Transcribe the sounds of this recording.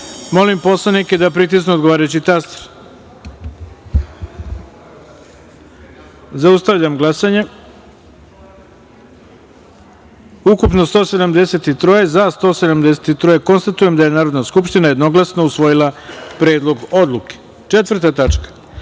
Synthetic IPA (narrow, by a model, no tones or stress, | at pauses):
mo̞limpo̞slˠanike̞d̪apɾit̪̬isnuod̪ɡo̞ʋaːɾajut͡ɕit̪ast̪ɾ | zaust̪aʋʎamɡlˠasaɲe | ukupno̞st̪o̞ːse̞d̪amd̪e̞se̞t̪it̪ɾojezast̪o̞ːse̞d̪amd̪e̞set̪it̪ɾojeko̞nst̪at̪uje̞md̪aje̞naːɾo̞d̪naskupʃt̪inaje̞d̪no̞ɡlasno̞usʋo̞jilˠapɾe̞ːd̪lˠo̞ɡo̞d̪lˠuke̥ | t͡ʂe̞t̪vɾt̪at̪at͡ʂkḁ